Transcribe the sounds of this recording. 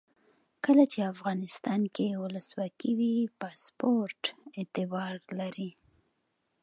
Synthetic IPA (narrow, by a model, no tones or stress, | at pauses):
kəlat͡ʃeafɣɑnɪst̪ɑnkewʊləswɑkiwipɑspoɾʈɪt̪ɪbɑɾlaɾi